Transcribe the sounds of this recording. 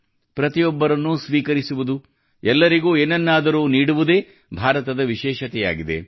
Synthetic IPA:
pɾɐt̪ijɔbːɐɾɐnːusʋiːkɐɾisuʋud̪u | ɛlːɐɾiɡuːeːnɐnːaːd̪ɐɾuːniːɽuʋud̪e̞ː | bʱaːɾɐt̪ɐd̪ɐʋiʃɛːʃɐt̪ɛja̰ːɡid̪e̞̰

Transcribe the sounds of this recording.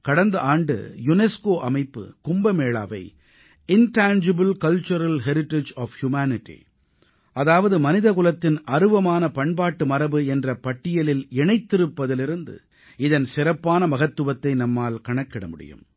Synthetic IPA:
kɐɽɐnd̪ɐʔaːɳɖɯ̰jʊnɛskoːʔɐmɐɪpːɯ̰kʊmbɐmeːɭa̰ːʋɐ̰ɪ | ɪnʈaːnd͡ʒɪbɯlkɐlt͡ʃɐɾɐlɦɛɾɪʈːed͡ʒɔːfhjʊmaːnɪʈːḭ | ʔɐðaːʋɐðɯmɐnɪðɐkʊlɐt̪ːɪnɐɾɯʋɐmaːnɐpɐɳbaːʈːɯmɐɾɐbɯɛndrɐpɐʈːɪjɐlɪlɛɳɐɪt̪ːɪɾɯpːɐðɪlɪɾɯnd̪ɯ̰ | ɪðɐnsɪrɐpːaːnɐmɐɣɐt̪ːɯʋɐt̪ːɐɪnɐmːaːlkɐɳɐkːɪɽɐmʊɽɪ̰jɯ̰m

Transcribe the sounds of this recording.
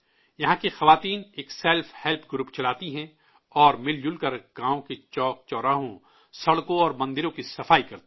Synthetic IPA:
jɐɦãkixɐʋaːt̪iːneːksɛlfhɛlpʰɡɾuːpt͡ʃɐlaːt̪iɦɛ̃ | ɔːɾmɪld͡ʒʊlkɐɾɡ̥ãːõket͡ʃɔːk̚t͡ʃɔːɾaːɦõ | sɐɽkõɔːɾmɐ̃nd̪ɪɾõkisɐfaːikɐɾt̪

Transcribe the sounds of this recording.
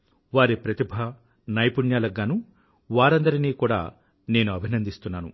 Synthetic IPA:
ʋaːɾipɾɐt̪ibʱɐ | nɐjpuɳjaːlɐɡːaːnu | ʋaːɾɐnd̪ɐɾiniːkuːɽa̰ː | ne̞ːnuɐbʱinɐnd̪ist̪unːaːnṵ

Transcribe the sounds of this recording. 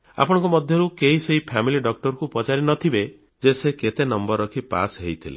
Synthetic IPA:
a̰pɔɽ̃ɔ̃ŋkɔmɔd̪ʱjɔɾukeɦiseɦipʰamiliɖɔk̚ʈɔɾkupɔt͡ʃaɾinɔt̪ʰibe | d͡ʒeseket̪enɔmbɔɾːɔkʰipa̰sɦejt̪ʰile

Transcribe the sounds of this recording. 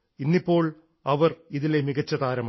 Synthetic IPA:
inːipːo̞ːɭ | ɐʋɐriðilemiɣɐt͡ɕːɐd̪aːɾɐmː

